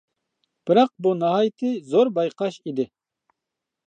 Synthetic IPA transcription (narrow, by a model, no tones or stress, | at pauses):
b̥ɨɾɑq̚bunɑɦɑːjt̪ʰɪzoɾbɑjqʰɑʃid̪ɪ